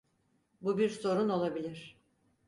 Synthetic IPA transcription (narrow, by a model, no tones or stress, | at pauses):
bubiɾso̞ɾuno̞lˠabilʲiɾ̥